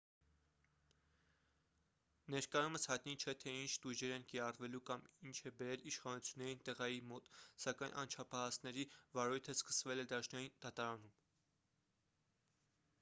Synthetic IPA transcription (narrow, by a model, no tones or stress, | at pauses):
nɛɾkɑjuməshɑjt̪nit͡ʃʰɛt̪ʰɛint͡ʃʰt̪uʒɛɾɛnkiɾɑrvɛlukɑmint͡ʃʰɛbɛɾɛliʃχɑnut͡sʰjunːɛɾint̪ɛʁɑjimɔt̪sɑkɑjnʔɑ̰nt͡ʃʰɑpʰɑɦɑsnɛɾivɑɾujt̪ʰəskə̥svɛlɛd̪ɑʃnɑjind̪̥ɑt̪ɑɾɑnum